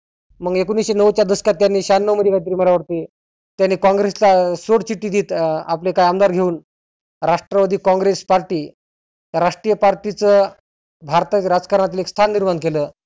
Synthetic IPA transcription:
məɡekonisɕenəʋt͡ɕjad̪əsə̥kat̪ːjanːiːɕanːəʋməd̪ikajt̪əɾiːməɾaʋəɽt̪e | t̪janːiːkãŋɡɾeslasoɽt͡ɕiʈːiːd̪iːt̪aplekajamd̪aɾɡʱeuːn | ɾaʂʈɾəʋad̪ʱiːkɔ̃ŋɡɾespaɾʈiː | ɾaʂʈɾijəpaɾʈit͡səː | bʱaɾt̪əɾad͡zkaɾɳat̪ilekst̪ʰanːiɾmankeləː

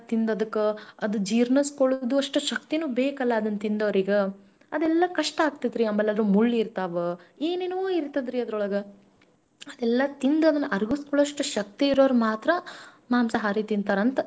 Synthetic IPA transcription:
t̪ind̪ɐd̪ɐkːeɐd̪ud͡ʒiːɾnɐskoɭud̪uɐʂʈuʃɐkt̪inuːbeːkɐlːɐːd̪ɐnːt̪ind̪ɐʋɐɾiɡe | ɐd̪ɛlːɐkɐʂʈɐaːɡ̚t̪id̪ɾiɐmːɐlːɐlɾumuɭːɾt̪aʋeeːneːnuuiɾt̪ɐd̪ɾiɐd̪ɐɾɔɭɐɡɐ | ɐd̪ɛlːɐt̪ind̪uɐd̪ɐnːɐʔɐɾɡuskoɭːʂʈuʃɐk̚t̪iːɾoːɾɐmaːt̪ɾɐ | maːmsɐɦaːɾit̪ind̪̚t̪aːɾɐnt̪ɐ

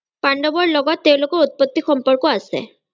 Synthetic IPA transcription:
paɳɖɔbɔɹlɔɡɔt̪ːeʊ̃lokɔɹut̪̚pɔt̪ːixɔmpɔɹkɔasḛ

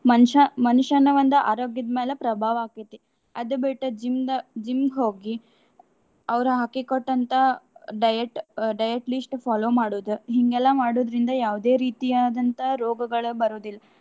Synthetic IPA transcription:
mɐnʃɐmɐnuʃɐnɐʋɐnd̪ɐʔaːɾoːɡjɐd̪meːlepɾɐbʱaːʋaːkit̪ːe | ɐd̪ubiʈːɐd͡ʒimd̪ɐd͡ʒimɦoːɡi | ɐʋɐɾuɦaːkikoʈːɐnt̪ɐɖɐjɐʈɖɐjɐʈlisʈpʰaːloːmaːɽoːd̪uɦiŋɡɛlːɐmaːɽoːd̪ɾind̪ɐjaːʋd̪e̞ːɾiːt̪ijaːd̪ɐnt̪ɐɾoːɡɐɡɐɭubɐɾoːd̪ilːɐ

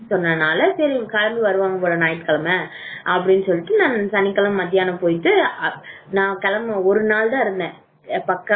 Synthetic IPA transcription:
sɔnːɐnaːlɐsɐɾikɐlɐmdɯʋɐɾɯʋaːŋɡɐpoːɽɐnaːjɪʈɯkɐlɐmɐ | ʔɐpːɐɽɪnːɯsɔlːɪʈːɯnãːsɐnɪkːɐlɐmːɐðːɪjaːnɐpoːjt̪ːɯ | nãːkɐlɐmɔɾɯnaːld̪ãːɪɾɯnd̪ɛ̃ː | pɐkːɐ

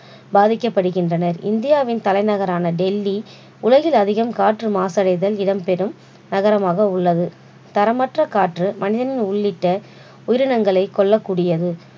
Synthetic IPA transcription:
baːðɪkːɐpːɐɽɯɣɪndrɐnɐɾɪ̰nd̪ɪjaːʋɪnt̪ɐlɐɪnɐɣɐɾaːnɐɖɛlːi | ʊlɐɣɪlɐðɪɣɐmkaːʈrɯmaːsɐɽɐɪðɐlɪɽɐmpɛɾɯm | nɐɣɐɾɐmaːɣɐʊɭːɐðɯ | t̪ɐɾɐmɐʈrɐkaːʈrɯmɐnɪðɐnɪnʊɭːɪʈːɐ | ʊjɪɾɯnɐŋɡɐɭɐɪkːɔɭːɐkːuːɽɪjɐðɯ

